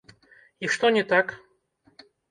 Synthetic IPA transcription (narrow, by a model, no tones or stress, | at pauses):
iʂt̪onʲɪt̪ak